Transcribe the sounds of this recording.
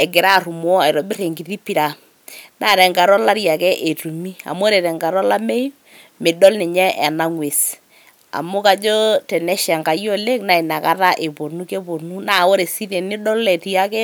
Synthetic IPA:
ɛ˨ɡɪ˨ɾa˦˨ru˨m˦ɔ˦a˨jɾɔ˨bɪ˦ɾe˨ŋɡi˨ri˦pi˦ɾa˨ | na˨ɾɛ˨ŋɡa˨ɾɔ˦la˦ɾja˨kɛ˦ʔe˨tu˨mi˦a̰˨m˦o˦ɾe˨ɾɛ˨ŋɡa˨ɾɔ˦la˦me˦ | mɪ˨dɔ˦lnɪ˨ɲɛ˦ʔɛ˨na˦ŋwe˨s | a̰˨mʊ˦ka˨d͡ʒo˦tɛ˨nɛ˦ʃa˨ŋka˨jo˦le˦kna˨i˨na˨ka˦ta˦ʔe˨po˨nu˦ke˦po˨nu˦na˨o˦ɾe˨si˦ɾe˨nɪ˦dɔ˦le˨tja˦kɛ˦

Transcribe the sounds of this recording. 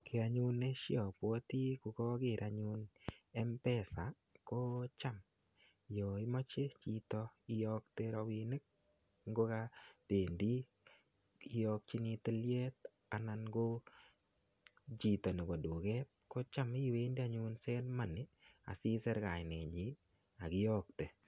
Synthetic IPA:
kʰɪ˨a˨ɲu˦ne˦ʃjɔ˨pwo˦t̪i˦ku˨kɔ˦ɡɪ˦˨ɾʔa˨ɲu˦nɛ˦mpɛ˦sa˨ | ko˦t͡ʃa˦m | jo˨ɪ˦mɔ˦t͡ʃe˦t͡ʃi˦t̪ɔ˦ɪ˦jɔ˦kt̪e˦ɾɔ˨wine˦k̚ | ŋɡo˦ka˦te˨ndi˦ | ɪ˦jɔk̚t͡ʃi˦ni˧te˦lje˦t̪ | a˨na˨nɡo˦ | t͡ʃi˨tɔ˨ne˨bɔ˨du˨kɛ˦t̚ko˦t͡ʃa˦mi˦˨we˦ndi˦a˨ɲʊ˦nsɛ˦dma˦nɪ˨ | a̰˨sɪ˦sɛ˦ɾka˨nɛ˨d͡ʒɪ˨˦ | a˨ɡɪ˦jɔ˦k̚te˨

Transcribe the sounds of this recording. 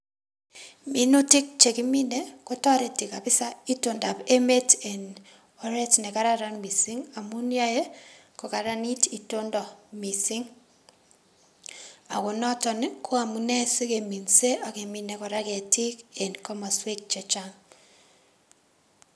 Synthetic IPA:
mi˨nu˦tɪ˦k̚t͡ʃe˨kɪ˦mi˦ne˦ko˦tɔ˦ɾe˨tɪ˨ka˨bɪ˦sa˦i˦to˨nda˨pe˦me˦te˨n | ɔ˨ɾɛ˦tnɛ˨ka˦ɾa˦ɾa˦nmi˨si˦ŋa˨mu˦nja˦je˦kɔ˨ka˨ɾa˦ni˦ti˨to˦ndɔ˨mi˨sɪ˦ŋ | a˨ko˨nɔ˦tɔ˨ne˦kʰo˦a˨mu˨nɛ˦se˦ke˨mi˨nse˦ʔa˨ke˨mi˦ne˨kɔ˨ɾa˦kɛ˨tɪ˦ke˨nkɔ˦ma˨swe˦k̚t͡ʃɛ˨t͡ʃa˦ŋ

